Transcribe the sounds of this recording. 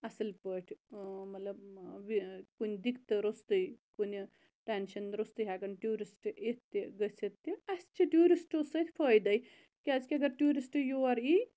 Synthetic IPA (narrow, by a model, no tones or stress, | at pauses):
ɐsɐlpəʈʲʰmɐt̪lɐbʋikund̪ikt̪ɨɾost̪ɐjkuni | ʈenʃɐnɾost̪ɨjɦakɐnʈjuːɾisʈet̪ːiɡəset̪ːiɐst͡ʃiʈjuːɾisʈosɐt̪ʰʲpʰəjd̪ɐj | kiazkʲiɐɡɐɾʈjuːɾisʈjoɐɾi